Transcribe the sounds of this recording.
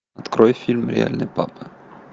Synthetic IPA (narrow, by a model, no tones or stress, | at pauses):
ɐt̪kɾɔjfʲilʲmɾʲɪ̰a̰lʲnɨjpapɨ